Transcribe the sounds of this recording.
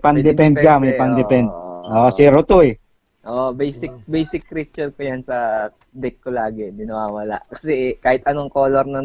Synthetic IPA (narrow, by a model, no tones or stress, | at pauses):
pɐŋd̪ɛpɛnd̪̚kamɐjpɐŋd̪ɛpɛnd̪̚ʔoːʔsɪɾot̪oɛ | ʔoʔbɛjsɪk̚bɛjsɪk̚ɾit͡ʃːɛkojansɐ | d̪ɛkːolaːɡɛd̪ɪnɐwaːwɐla̰ʔkɐ̥sɛkaːhɪt̪ɐnoŋkoːloɾnɐ